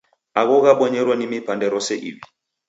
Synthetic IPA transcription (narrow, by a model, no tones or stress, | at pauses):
aɣɔɣaɓɔɲɛɾwanimipandɛɾɔsɛʔḭβi